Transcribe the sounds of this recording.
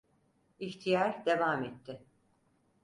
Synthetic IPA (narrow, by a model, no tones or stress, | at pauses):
içt̪ʰijaɾd̪e̞vamɛt̪ʰːɪ